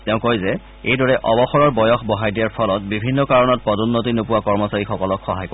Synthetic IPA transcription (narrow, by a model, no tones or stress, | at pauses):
tɛʊ̃kojzɛ | ejdɔɹɛʔɔbɔxɔɹɔɹbɔjɔxbɔɦajdijaɹpʰɔlɔtbibʱinːɔkaɹɔnɔt̚pɹɔdunːotinopʊwakɔɹmɔsaɹixɔkɔlɔkxɔɦaj